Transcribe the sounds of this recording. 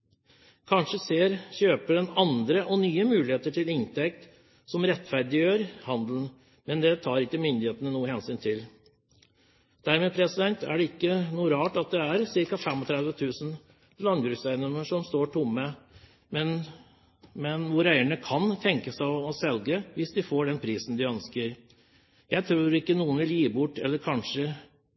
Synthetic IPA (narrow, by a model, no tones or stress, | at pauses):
kʰɑnʂəseːɾçøːpəɖɛnɑnd̪ɾəʔɔnyːəmʉːlɪheːt̪əʈɪlɪnt̪ʰɛk̚t̪ | sɔmɾɛt̪ːfæɾd̪ɪjøːɾhɑnd̪ln̩ | mɛnd̪ɛt̪ʰɑːɾɪkːəmʏnd̪ɪheːt̪ənənuːəhɛnsyːnt̪ʰɪl | d̪̥æɾmeːpʰɾɛsɪd̪ɛnt̪æ̰ɖɛɪkːənuːɾɑːʈɑt̪̚d̪ɛæɾsɪɾkɑfɛmɔt̪ʰɾɛd̪ʋət̪ʰʉːsən | lɑnɡɾʉfsæɪənɔməʂɔmst̪oːʈʰʊmːə | mɛn | mɛnʋʊɾæɪəɳəkʰɑnt̪ʰɛŋkəsɔsɛlɡəʋɪsd̪ɪfoːɖɛnpʰɾiːsn̩d̪ɪœnskəɾ | jæɪt̪ʰɾuːɾɪkːənuːənʋɪljiːbʊʈːɛ̰lːəɾkʰɑnʂə